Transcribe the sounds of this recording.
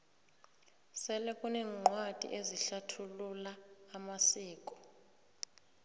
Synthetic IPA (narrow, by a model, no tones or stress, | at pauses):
sɛlɛkʼunɛːŋ͡ǃwad̥ʱḭʔeziɬatʰululaːmasiːkʼɔ̥